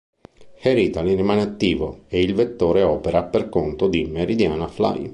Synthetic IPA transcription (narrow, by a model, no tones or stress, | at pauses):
heɾit̪alirimaːneat̪ːiːvoeilvet̪ːoːɾeɔːpeɾaperkont̪od̪imeɾid̪jaːnafla̰j